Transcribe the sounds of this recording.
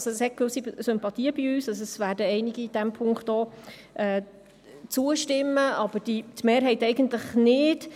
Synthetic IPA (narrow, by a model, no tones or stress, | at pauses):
soɛshɛt̚kʋɵsisʏmpɑt̪iːəbiyːsɑsɛsʋæːɾdəɛɪniɡiːd̥æmpʰʊŋkχt̪oː | ʔɛː | t͡suəʃtɪmːəɑb̥əɾd̥itmeːɾɦɛɪtɛɪɡən̩tlɪχnɪd